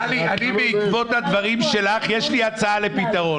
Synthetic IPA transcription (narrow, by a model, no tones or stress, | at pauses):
nianibeikvo̞t̪had̪vaʁimʃe̞laχjeʃliat͡saale̞pit̪aʁo̞